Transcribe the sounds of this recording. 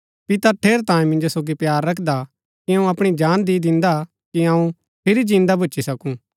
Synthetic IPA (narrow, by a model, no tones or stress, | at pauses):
pɪt̪aʈʰeːɾt̪ãːjẽmɪ̃nd͡ʒosoːɡipjaːɾːɐkʰd̪a | kiɐũɐpɽ̃id͡ʒaːnd̪id̪ɪ̃nd̪a | kiɐ̃ũ | pʰɪɾid͡ʒĩːnd̪abʊːt͡ʃʰisɐkũ